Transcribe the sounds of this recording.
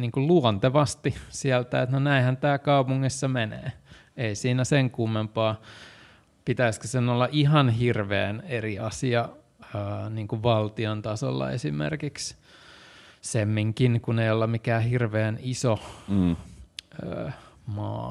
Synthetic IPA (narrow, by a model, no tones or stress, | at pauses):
niːŋkulluɔnt̪eʋɑst̪isiælt̪æet̪nonæĩhænt̪æːkɑupuŋːisːɑmenḛː | eisiːnæseŋkumːempɑː | pit̪æiskøsenolːɑʔiɦɑnhirʋeːneriɑsiɑ | øːniːŋkuʋʋɑlt̪iont̪ɑso̰lːɑ̰ḛsimḛrkiks | semːiŋkinkuneiolːɑmikæːhirʋeːniso | ø̰ːmɑ̰ː